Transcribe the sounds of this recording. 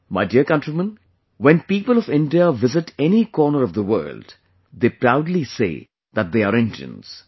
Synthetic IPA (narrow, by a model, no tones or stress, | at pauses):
maɪɖiəɾkʌ̃nʈɾimə̃n | wɛ̃npiːpəlɔʋɪ̃nɖiaʋɪzɪʈɛnikɔːnəɾɔvd̪əwɜ̰ːlɖ | d̪eːpɾaʊɖlisḛː | ðæʈ̚d̪eːaɾɪ̃nd͡ʒiə̰̃ns